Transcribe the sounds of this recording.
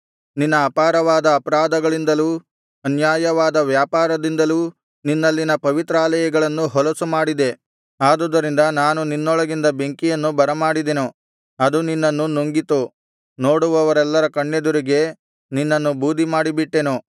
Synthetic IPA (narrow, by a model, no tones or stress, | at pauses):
ninːɐːpaːɾɐʋaːd̪ɐːpɐɾaːd̪ɐɡɐɭind̪ɐluː | ɐnjaːjɐʋaːd̪ɐʋjaːpaːɾɐd̪ind̪ɐluː | ninːɐlːinɐpɐʋit̪ɾaːlɐjɐɡɐɭɐnːuɦɔlɐsumaːɽid̪e̞ | aːd̪ud̪ːɐɾind̪ɐnaːnuninːɔɭɐɡind̪ɐbe̞ŋkijɐnːubɐɾɐmaːɽid̪enu | ɐd̪uninːɐnːunoŋɡit̪u | no̞ːɽuʋɐʋɐɾɛlːɐɾɐkɐɳːed̪uɾiɡe̞ | ninːɐnːubuːd̪ʱːimaːɽibiʈːenu